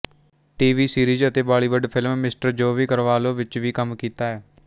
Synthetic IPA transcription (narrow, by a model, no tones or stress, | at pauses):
ʈiːʋiːsiːɾiːzət̪eːbaːɭiːʋəɖpʰɪlmːɪsʈəɾd͡ʒoːʋiːkəɾʋaːlõːʋɪt͡ʃʋiːkəmkiːt̪aːɛː